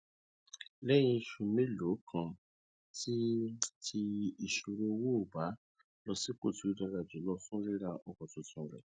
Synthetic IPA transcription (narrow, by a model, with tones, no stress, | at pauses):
lɛ˦j̃ĩ˧ʃũ˧mĩ˦lo˨˦kʰã˧ | ti˦tʰi˧i˨ʃu˧ɾo˧wo˦˨ba˨˦ | lɔ˧si˦k͡po˦˨tu˨˦dã˧ɾa˧˨d͡ʒi˨˦lɔ˧sũ˦ɾi˦ɾa˧ʔɔ˨kɔ̃˨tũ˨tũ˧˨ɾɛ̰˨